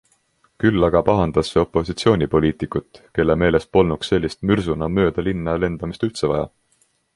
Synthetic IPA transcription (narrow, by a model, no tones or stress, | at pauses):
kylːɑɡ̥ɑpɑɦɑnd̪̥ɑsːeo̞pːˑo̞sit̪sio̞ːnʲipo̞lʲiːt̪ˑikːˑut̪ːˑke̞lːe̞me̞ːle̞s̚po̞lnuksːe̞lʲːist̪myrsunɑmø̞ːd̪̥ɑlinːɑle̞nd̪̥ɑmist̪ylt̪se̞vɑjɑ̰